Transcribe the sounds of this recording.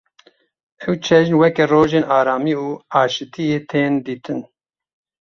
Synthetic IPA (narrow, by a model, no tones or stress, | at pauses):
ɛwt͡ʃʰɛʒnwɛkɛroːʒeːnɑːɾaːmiuːɑːʃɨt̪ʰijeːt̪ʰeːnd̪iːt̪ʰɨn